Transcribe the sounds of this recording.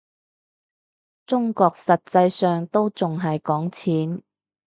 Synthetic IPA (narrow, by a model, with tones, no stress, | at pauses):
t͡sʊ˥ŋkɔː˧k̚sɐ˨t̚t͡sɐ˧jsœː˨ŋt̪o˥wt͡sʊ˨ŋɦɐ˨jkɔː˨˥ŋt͡sʰiː˨˥n